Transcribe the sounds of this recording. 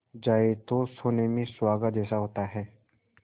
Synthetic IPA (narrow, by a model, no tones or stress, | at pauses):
d͡ʒaːet̪osoːnemẽswaːɡəd̪ɛːsaɦoːt̪aɦɛː